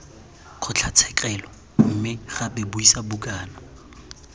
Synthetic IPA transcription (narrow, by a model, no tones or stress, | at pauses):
q͡χʰʊt͡ɬʰat͡sʰɛkʼɛlɔ | m̩mɪχabɪbʊisabʊkʼaːna